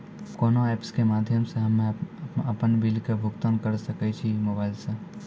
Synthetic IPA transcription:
koːnoɛːpskemaːd̪ʱjəmseɦɐmẽɐpənbilkabʱʊkt̪ənkɐɾsɐkət͡ʃʰimobaːɪlseː

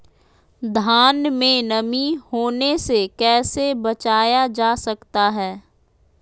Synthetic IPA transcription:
d̪ʱaːnmẽnɐmihoːnesekɛːsebɐt͡ʃaːjad͡ʒaːsɐkt̪aɦɛː

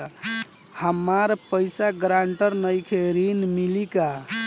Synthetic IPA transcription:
həmːaɾpəjsaɡɾaɳʈəɾnəjkʰeɾinmilika

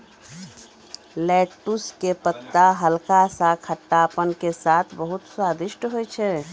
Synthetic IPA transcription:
lɛʈuskepət̪ːaɦəlkasãkʰəʈːapənkesat̪ʰbəɦut̪swad̪iʃʈɦojt͡ʃʰɛ

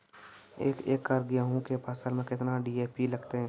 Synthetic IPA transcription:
eːkeːkːaɾɡɪjaɦũkepaːsəɾmẽkɪt̪naɖiːeːpilɐɡt̪eɦɛ̃ː

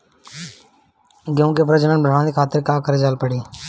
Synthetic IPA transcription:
ɡjũːkeːpɾəd͡ʒənənbəɾãːd̪eːkʰaːt̪ɪɾkaːkəɾeːd͡ʒaːlpəɽiː

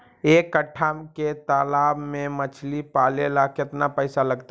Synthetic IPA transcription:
ekːəʈʰamket̪alabmemət͡ʃʰlipalelakeət̪napəjsaləɡt̪

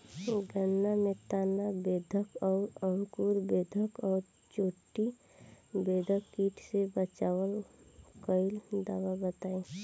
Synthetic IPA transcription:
ɡʱənːamẽt̪aːnabeːd̪ʱəkɔːɾəlkuːɾbeːd̪ʱəkɔːɾ | t͡ʃoːʈːi | beːd̪ʱəkiːʈʰsebət͡ʃaːwəlkəɪld̪aːwabət̪aːe

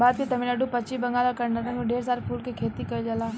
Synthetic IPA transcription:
baːd̪̚kit̪ɐmilaɖupɐt͡ʃibɐŋɡaːlakɐɾnat̪ãkoɖeːɾsaːɾpʰuːlkekʰeːt̪ikɐd͡ʒɐlaː

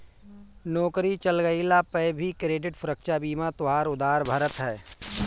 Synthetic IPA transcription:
nɔːkɾit͡ʃəlɡəilapəjbʱikɾeːɖɪʈfʰɾəkʃabiːmat̪ʊɦaːɾʊd̪aːɾbʱəɾət̪ɦɛː

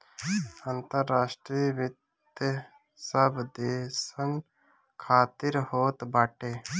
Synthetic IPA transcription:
ant̪əɾːaːʃʈɾiʋɪt̪ | j | səbd̪eːsəŋɡ | kʰaːt̪ɪɾhoːt̪baːʈeː

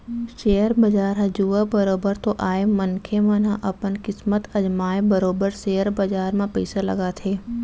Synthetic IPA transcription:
ʃejəɾbɐd͡ʒaːɾɦɐd͡ʒuːʋabɐɾoːbəɾt̪oʔaːemənkʰemãnãʔɐpənkɪsmət̪ɐd͡ʒmaːebəɾoːbəɾseːəɾbɐd͡ʒaːɾmãpɛːsalɐ̰ɡat̪ʰeː

